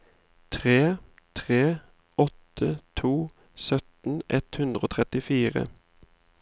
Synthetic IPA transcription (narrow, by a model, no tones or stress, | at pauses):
t̪ʰʁeː | t̪ʰʁeː | ɔt̪ʰət̪ʰuː | sœt̪n̩ʔɛt̪hʉnd̪ʁəoːt̪ʰʁɛt̪ɪfiːʁə̰